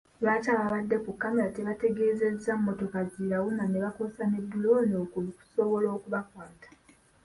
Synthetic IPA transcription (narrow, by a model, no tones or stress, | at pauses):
βaːcaːβaβadːe̞kukːamelate̞βate̞ɡe̞ːze̞zːamumːo̞to̞kaziɾawunaneβakosanedːulonoːkuku̥so̞βo̞lo̞ːkuβakwaːtḁ